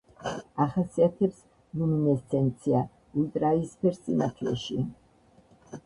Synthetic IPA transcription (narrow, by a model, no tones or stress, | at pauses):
aχasiat̪ʰɛps | luminɛst̪sʰɛnt̪sʰia | ult̪ʼɾaispʰɛɾssʼḭna̰t̪ʰlɛ̰ʃi